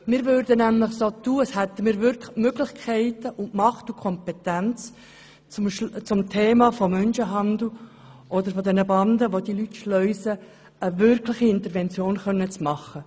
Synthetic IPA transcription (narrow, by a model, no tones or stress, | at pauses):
mɪːɾʋʏɾdənæmlɪχsot̪uːəshɛt̪ːəmiːɾvʏɾkmøɡlɪχkʰɛɪtəʔʊntmɑχtukʰɔmpɛt̪ænt͡s | t͡sʊmtʰeːmɑfɔmœnʃəɦɑnd̪l̩ | ʔɔd̪əɾfɔd̪ɛnəbɑnd̪əʋod̥ilytʃlœʏsə | əvʏɾkʰlɪχiɪnt̪əɾʋɛnt͡sjoːnχœnːət͡smɑχːə